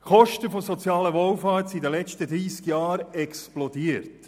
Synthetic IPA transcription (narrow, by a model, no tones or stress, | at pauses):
χɔʃtəfosɔt͡sjɑːləʋɔwfɑːrtsidəlɛt͡ʃtədɾiːskjɑːɾɛksplɔdiːəɾt